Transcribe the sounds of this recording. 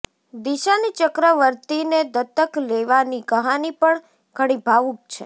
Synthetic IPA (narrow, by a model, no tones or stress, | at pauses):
d̪iʃanit͡ʃəkɾəʋəɾt̪ined̪ət̪ːəkleʋaniɡəɦanipəɳ | kəɽ̃ibʱaʋũk̚t͡ʃʰḛ